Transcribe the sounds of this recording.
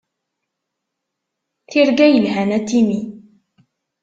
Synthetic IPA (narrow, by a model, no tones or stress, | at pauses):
θiɾɡæjəlɦænæt̪ːimi